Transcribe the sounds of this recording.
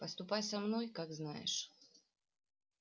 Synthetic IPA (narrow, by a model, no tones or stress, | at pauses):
pəst̪ʊpajʲsɐmnojkaɡznajɪ̰ʂ